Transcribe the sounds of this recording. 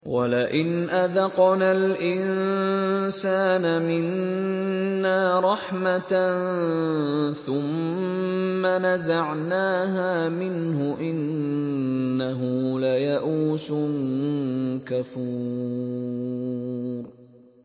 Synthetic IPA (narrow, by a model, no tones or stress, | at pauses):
walaʔɪnʔaðɑqnaːlʔɪn | saːnamɪnː | aːɾˤɑħmat̪n | θʊmː | anazaʕnaːɦaːmɪnhʊʔɪnː | aɦʊlajaʔuːsʊn | kafuː | ɾ